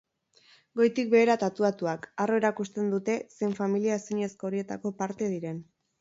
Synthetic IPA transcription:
ɡo̞jt̪ik̚be̞ːɾat̪at̪uat̪uakaro̞e̞ɾakust̪e̞nd̪ut̪e̞se̞jɱfamiliaesiɲe̞sko̞ːɾie̞t̪ako̞paɾt̪e̞ðiɾe̞n

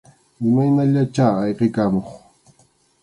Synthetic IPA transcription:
ɪmajnaʎat͡ʃaːjqɪkamoχ

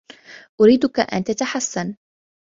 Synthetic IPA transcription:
ʔʊɾiːd̪ʊkaʔa̰nt̪at̪aħasːan

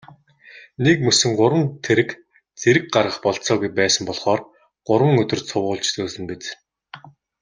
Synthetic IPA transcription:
nekmɵsɵ̆ŋɢʊɾwə̆nt̪ʰeɾɘ̆k | t͡seɾɘ̆k̚ɢarʁə̆χpɔɮt͡sɔːɣujpæːsə̆mpɔɮχɔːr | ɢ̥ʊɾwə̆ŋɵt̪ɵ̆rt͡sʰʊwʁʊːɮt͡ɕt͡soːsɘ̆mpet͡s

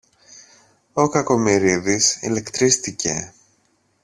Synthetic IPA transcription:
o̞kɐko̞miɾiðisḭle̞kt̪ɾist̪ice̞̰

